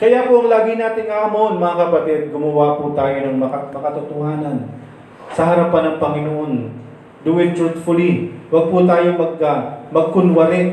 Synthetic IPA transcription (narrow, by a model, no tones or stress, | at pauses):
kɐjapoɐŋlaːɡɪnaːt̪ɪŋkɐʔɐmonmɐŋakɐpɐt̪ɛd̪̚ɡʊmɐwaput̪aːjonɐŋmɐɐmɐkɐt̪ʊt̪ohaːnɐn | sɐɦɐɾɐpanːɐŋpɐŋɪnoʔo̞n | d̪ʊɪd̪̚t͡ʃʊt̪fʊliwɐɡ̚put̪aːjomɐɡɐmɐɡ̚kʊnwɐɾɪ